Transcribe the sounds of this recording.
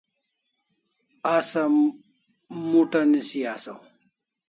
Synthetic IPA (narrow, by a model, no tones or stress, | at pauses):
asa | muʈanisijasa̰